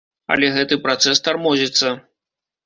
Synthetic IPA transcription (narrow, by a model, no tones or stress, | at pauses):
ɐ̰lʲɛɣɛt̪ɨpɾat̪sɛst̪armɔzʲit̪sːɐ